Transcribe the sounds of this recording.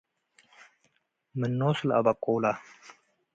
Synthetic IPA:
mənːoːslɐ̰bakʼoːla

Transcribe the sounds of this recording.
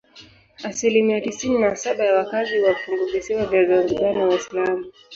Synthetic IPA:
asilimiatisininasaɓajawakaziwafuŋɡuvisiwavjavaɾuuɡaniwaislamu

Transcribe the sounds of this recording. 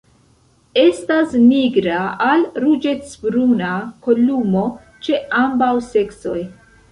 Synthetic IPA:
e̞stasniɡɾaalɾud͡ʒe̞tsbɾunako̞lumo̞ | t͡ʃe̞ambawse̞kso̞j

